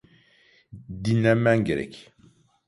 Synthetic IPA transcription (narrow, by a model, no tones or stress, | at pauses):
d̪inamæŋɡeɾɛ̰k